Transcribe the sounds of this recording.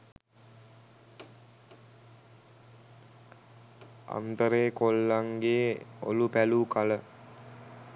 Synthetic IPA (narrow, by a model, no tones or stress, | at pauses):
a̰nt̪əɾeːkolːaŋɡeːo̰lupæluːkalə